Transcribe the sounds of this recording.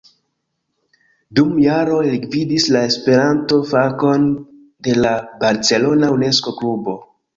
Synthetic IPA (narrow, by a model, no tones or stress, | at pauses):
dumjaɾo̞elɡvidislae̞spe̞ɾanto̞fako̞n | de̞labaɾt͡se̞lo̞naune̞sko̞klubo̞